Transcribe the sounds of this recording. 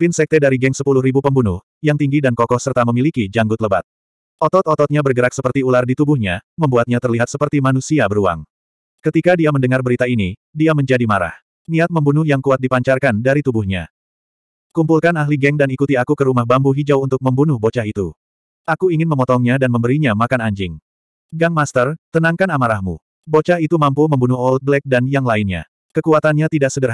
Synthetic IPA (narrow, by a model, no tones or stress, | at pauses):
finsɛk̚t̪ɛdaɾiɡɛŋsəpulʊhɾibupəmbunʊh | jaŋt̪iŋɡidankɔkɔhsərt̪aməmilikid͡ʒaŋɡʊt̪̚ləba̰t̪̚ | ʔɔt̪ɔt̪ɔt̪ɔt̪̚ɲabərɡəɾak̚səpərt̪iulardit̪ubʊhɲaməmbuat̪̚ɲat̪ərliɦat̪səpərt̪imanusiabəɾua̰ŋ | kət̪ikadiaməndəŋarbəɾit̪ainidiaməɲd͡ʒadimaɾa̰h | niat̪̚məmbunʊhjaŋkuat̪̚dipaɲt͡ʃarkandaɾit̪ubuhɲa̰ | kumpulkanaɦliɡɛŋdanikut̪iakukəɾumahbambuɦid͡ʒawunt̪ʊk̚məmbunʊhbot͡ʃaɦit̪u | ʔakuiŋɪnməmɔt̪ɔŋɲadanməmbəɾiɲamakanaɲd͡ʒɪŋ | ɡaŋmast̪ərt̪ənaŋkanamaɾahmṵ | bot͡ʃaɦit̪umampuməmbunʊhɔlt̪̚blɛk̚danjaŋlaɪnɲa̰ | kəkuat̪anɲat̪idaksədər